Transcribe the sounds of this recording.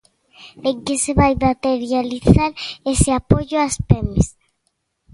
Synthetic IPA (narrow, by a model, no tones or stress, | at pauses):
eŋkeseβajmat̪eɾjaliθaɾesɪapoʎoaspemes